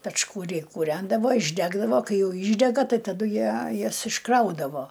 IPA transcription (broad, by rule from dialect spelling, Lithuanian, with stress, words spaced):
pʲɛt͡ʃkʊˈrʲɛɪ kuːˈrʲɛndɐʋoː ɪʒʲˈdʲæːɡdɐʋoː ˈkɐɪ ˈjɛʊ ˈiːʒʲdʲɛɡɐ ˈtɐɪ tɐˈdʊ ˈjiɛ ˈjɛs ɪʃˈkrɐʊdɐʋoː